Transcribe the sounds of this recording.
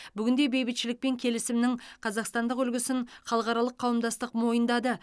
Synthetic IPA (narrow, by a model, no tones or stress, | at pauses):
bʏɡʲɪnd̪e̞be̞jbɪt̪ʃɪlɪk̚pe̞ŋkʲʰe̞lɪsɪmnɪŋqʰɑzɑqst̪ɑnd̪əqʏlɡʲɪsɪŋχɑlˠəqɑɾɑlˠəqʰːɑwəmd̪ɑst̪əqmo̞jənd̪ɑd̪ə